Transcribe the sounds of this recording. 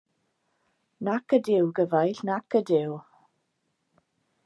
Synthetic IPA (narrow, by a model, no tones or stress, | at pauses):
nakədɪwɡəvajɬnakədɪw